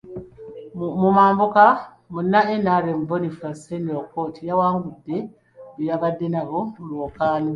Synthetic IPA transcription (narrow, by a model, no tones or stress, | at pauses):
mumaːmbuka | munːaenaɾemubonifaseniokoːtʰijawaːmuβudːe | ujaβadːe̞naβomulwokaːni